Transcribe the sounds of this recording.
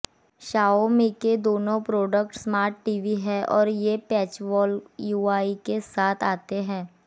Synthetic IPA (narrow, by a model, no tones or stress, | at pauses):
ʃaːomẽked̪oːnõpɾoːɖəkʈsmaːɾʈːiːʋiɦɛʔɔːɾjepɛːt͡ʃʋɔːljuːaːikesaːt̪ʰaːt̪eɦɛ̃ː